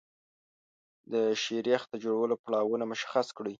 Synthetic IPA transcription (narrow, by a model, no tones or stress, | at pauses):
d̪əʃeɾjɑxt̪ad͡ʒoɽawəlopɽɑwunamʊʃḁxaskɽi